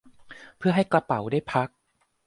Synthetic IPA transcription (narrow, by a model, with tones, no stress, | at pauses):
pʰɯ˥˩ɐɦa˥˩jkla˧pa˩˦wdaː˥˩jpʰa˦˥k̚